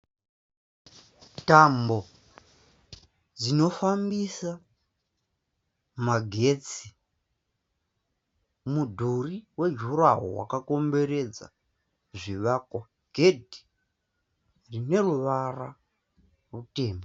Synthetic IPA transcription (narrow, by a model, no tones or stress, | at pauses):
tambo̞ | d͡zino̞fambisa | maɡʱe̞t͡si | mudʱuriwe̞d͡ʒuɾaɦo̰wa̰kako̞mbe̞ɾe̞d͡za̰ | ʐiʋakwa | ɡ̥ʱe̞dʱi̥ | rine̞ruʋara | rute̞ːmbe